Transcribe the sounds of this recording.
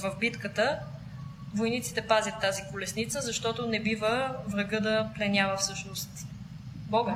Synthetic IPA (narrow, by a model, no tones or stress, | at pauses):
vəvbit̪kət̪ə | vojnit̪si̥t̪ɛpazʲjət̪ːazikʊlɛsnit̪səzɐʃt̪ɔt̪ʊnɛbivəvɾɐɡɤd̪ɐplɛnjavəfsɤʃnost̪ | bɔɡ